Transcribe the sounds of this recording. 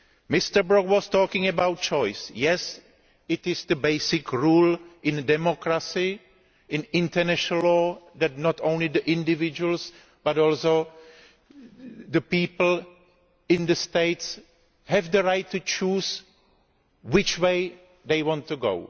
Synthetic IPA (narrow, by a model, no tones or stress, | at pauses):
mɪst̪ə˞bɹɔkwɔstɔːkɪ̃ŋɛbawt̚t͡ʃɔjsjɛs | ɪtɪzd̪əbeɪsɪkɹuːlʔɪ̃ndɛmɔkɾasɪ | ɪ̃nɪ̃ntəɹnɛʃəl̩lːɔːdat̚nɔtʰõw̃nlɪdəʔɪ̃ndɪvɪd͡ʒuəl̩s | b̥atɔlso | dəpiːpl̩ | ɪ̃nd̪əsteɪts | hɛvdəɹajtːut͡ʃuːz | wɪt͡ʃweɪ | deɪwɔ̃ntːuɡo̰w